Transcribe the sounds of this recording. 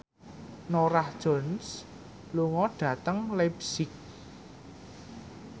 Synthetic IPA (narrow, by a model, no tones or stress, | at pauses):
noɾahd̥ʒ̥ɔ̤ns | luŋɔɖ̥ä̤t̪əŋlɛbsɪk̚